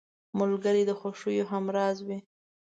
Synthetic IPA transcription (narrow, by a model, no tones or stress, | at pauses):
mʊlɡəɾid̪əxoʃujoɦamɾɑzwi